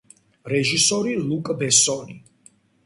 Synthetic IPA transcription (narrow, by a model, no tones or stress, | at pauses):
ɾɛʒisɔɾilˠukʼbɛsɔni